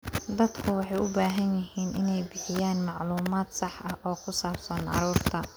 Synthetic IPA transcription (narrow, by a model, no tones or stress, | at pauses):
d̪ɐd̪kʰʊwɑħɑjʔʊbaːɦɐnjɪɦiːnʔɪnɛjbɪħɪjaːnmɑʕluːmaːd̪sɑħʔɐhʔɔːkʰʊsaːbsɐnʕɑ̰ɾuːrt̪ʰɐ